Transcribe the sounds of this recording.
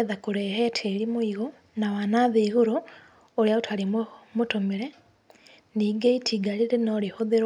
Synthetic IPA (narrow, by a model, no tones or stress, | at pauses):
eðakuɾeɦetʰeɾimoiɣo | nawanaðeiɣoɾoː | ɾjaotʰalimotomiɾe | niːɡeitʰiɡaliɾenoːɾihoðeɾ